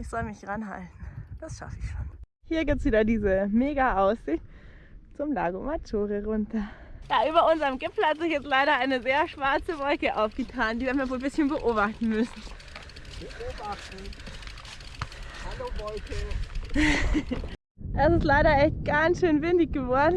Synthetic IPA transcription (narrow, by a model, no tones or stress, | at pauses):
ʔɪçz̥ɔlmɪç̥ʁanɦa̰ltn̩d̥asʃa̰fəɪçʃoːn | hiːɐɡiːp̚tsv̥iːdɐdiːzəmeːɡaʔaʊsz̥ɪçt | t͡sʊmla̰ːɡomatʰoːʁəʁʊntɐjaːʔyːbɐʊnzəɐʁəmɡɪpfl̩hatz̥ɪçjɛt͡stlaɪɾɐʔaɪnəzeːɐʃv̥aɐt͡səvɔlkəʔaʊfɡ̥ətʰaːndiːviɐnmiaɐvoːlbɪsçənbəʔoːbaχtn̩mʏsn̩ | b̥əʔʔoːbaχtn̩ | halovɔlkə | ʔɛsɪstlaɪɾɐʔɛçt̚ɡ̥ansʃøːnvɪndɪçɡ̥əvɔɐdn̩